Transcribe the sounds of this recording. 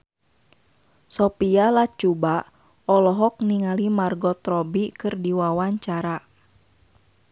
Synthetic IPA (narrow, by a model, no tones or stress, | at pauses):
sɔpialat͡ʃuba | ɔlɔɦɔk̚niŋalimarɡɔt̪ɾɔbikɨrdiwawaɲt͡ʃaɾa